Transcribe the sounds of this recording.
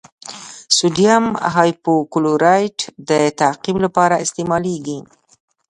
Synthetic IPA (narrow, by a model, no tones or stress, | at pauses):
suɖijamɦɑjpokʊloɾɑjʈd̪ət̪aqimlapɑɾaɪst̪emɑleɡi